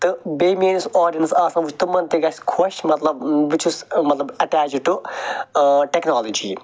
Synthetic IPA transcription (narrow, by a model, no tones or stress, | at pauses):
t̪ɨbeːmeːnisoːɖiɐnsaːsãʋut͡ʃʰt̪ɨmɐnt̪eɡɐsʲkʰɐʃmɐt̪lɐbʋit͡ʃʰusmɐt̪lɐbɐʈaːt͡ʃʈu | ʈeknaːlɐd͡ʒḭː